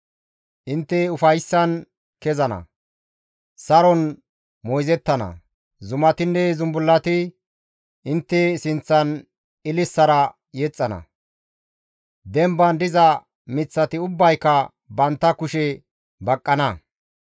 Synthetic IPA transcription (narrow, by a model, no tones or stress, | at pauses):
ʔɪnt̪ːɛʊfɐjsːɐn | kɛzɐnɐ̰ | sɐɾɔn | mɔjzɛt̪ːɐnɐ̰ | zʊmɐt̪ɪnːɛzʊmbʊlːɐt̪ɪ | ʔɪnt̪ːɛsɪnt͡sːɐn | ɪlɪsːɐɾɐ | jɛt͡sʼːɐnɐ̰ | d̪ɛmbɐnd̪ɪzɐ | mɪt͡sːɐt̪ɪʊbːɐjkːɐ | bɐnt̪ːɐkʊʃɛ | bɐkʼːɐnɐ